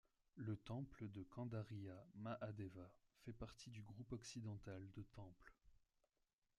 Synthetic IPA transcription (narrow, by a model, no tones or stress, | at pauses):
lət̪ɑ̃pləd̪əkɑ̃d̪aʁiamaʔad̪ɛvafɛpaʁt̪id̪yɡʁupɔksid̪ɑ̃t̪ald̪ət̪ɑ̃pl